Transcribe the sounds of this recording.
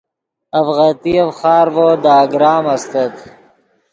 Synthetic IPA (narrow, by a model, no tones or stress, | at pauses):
ɐfɣat̪iɐfχɑːɾvod̪aːɡɾɑːmɐst̪ɐt̪